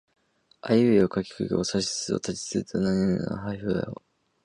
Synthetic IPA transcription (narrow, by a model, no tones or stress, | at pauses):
ajɯeokakʲi̥kɯɡʲḛosaɕi̥sɨo̰t̪ʰat͡ɕi̥t͡sɨt̪anãɲ̟ĩna̰a̰ɦaiɸɯa̰o